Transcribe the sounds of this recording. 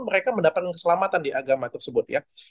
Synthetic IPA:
məɾekaməndapat̪̚kankə̥səlamat̪andiʔaɡamat̪ərsəbʊt̪̚ja̰

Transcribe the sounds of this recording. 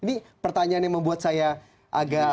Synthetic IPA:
inipərt̪aɲaanjaŋməmbuat̪̚saja | ʔaɡa

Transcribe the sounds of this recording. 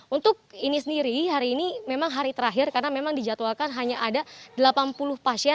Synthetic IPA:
unt̪ʊk̚inisəndiɾiɦaɾiːnimemaŋɦaɾit̪əɾaɦɪrkarnamemaŋdid͡ʒat̪uakanɦaɲaʔːdadəlapanpulʊhpasiɛ

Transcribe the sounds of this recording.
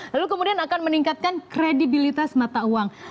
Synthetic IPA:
lalukəmudianakanməniŋkat̪̚kankɾedibilit̪asmat̪auwaŋ

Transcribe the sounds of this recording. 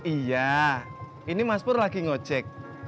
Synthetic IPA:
ija | inimaspʊrlaɡ̥iŋot͡ʃɛk̚

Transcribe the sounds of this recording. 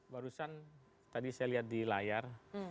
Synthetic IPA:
baɾusan | t̪adisajaliɦat̪̚dilajar

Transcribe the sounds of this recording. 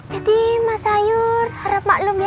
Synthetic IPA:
d͡ʒadimasajʊrhaɾəp̚maʔlʊmja

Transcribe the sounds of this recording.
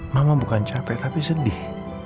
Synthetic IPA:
mamabukant͡ʃapɛʔt̪apisədɪh

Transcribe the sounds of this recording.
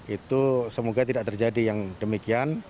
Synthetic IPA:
it̪usəmoɡat̪̬idaʔ̚t̪ərd͡ʒadijaŋdəmikian

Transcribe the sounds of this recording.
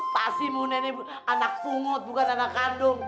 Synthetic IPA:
pazimũnɛnɛ | anakuŋɔ̃t̪̚bukananakandom

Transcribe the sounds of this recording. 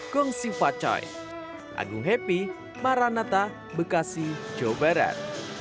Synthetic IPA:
kɔŋsipat͡ʃɔ̰j | ʔa̰ɡuɦepi | maɾanat̪a | bəkasid͡ʒobaɾa̰r̚

